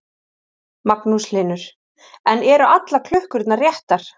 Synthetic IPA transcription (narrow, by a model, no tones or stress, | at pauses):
maknuslɪːnʏɾ̥ | ɛnɛɾʏʔat̪lakʰlʏhkʏɾt̪narjɛht̪aɾ̥